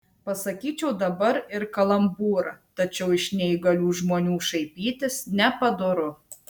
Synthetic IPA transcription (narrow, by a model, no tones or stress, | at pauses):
pɐsɐkʲiːt͡ʃʲɛʊd̪ɐbɐɾɪɾkɐlˠɐmbuːɾɐt̪ɐt͡ʃʲɛʊɪʃnʲɛiɡɐlʲuːʒmoːnʲuːʃɐɪpʲiːt̪ʲɪsnʲɛpɐd̪ʊɾʊ